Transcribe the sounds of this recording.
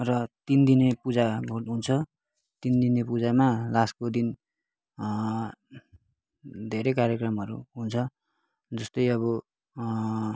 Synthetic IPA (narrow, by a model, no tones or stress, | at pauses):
rʌt̪ind̪inepud͡zabʱorʈɦunt͡sʰʌ | t̪ind̪inepud͡zamalaskod̪in | d̪ʱeɾekaɾjʌkrʌmɦʌɾṵɦunt͡sʰʌ | d͡zʌst̪ʌjʌβʌ